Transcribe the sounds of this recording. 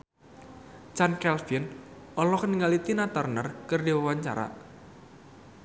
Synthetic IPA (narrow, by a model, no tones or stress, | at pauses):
t͡ʃankɛlfin | ɔlɔkəniŋalit̪inat̪arnərkərdiwawaɲt͡ʃa̰ɾa̰